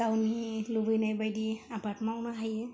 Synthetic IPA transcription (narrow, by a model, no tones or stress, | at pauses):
awnilubɯjnajbajdiabatmawnaɦajɛ